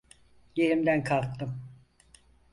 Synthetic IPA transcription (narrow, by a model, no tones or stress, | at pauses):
jeɾimd̪ænkʰalˠk̚t̪ːɯm